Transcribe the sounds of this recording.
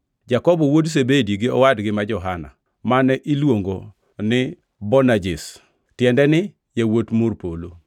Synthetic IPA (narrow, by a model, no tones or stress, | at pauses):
d͡ʒakɔbɔwods̬ebediɡɪɔ̰wadɡɪmad͡ʒɔɦana̰ | manɛʔilwoŋɡo | nɪ | bɔnad͡ʒɪs | tjɛndɛnɪ | jewotmʊrpolo̰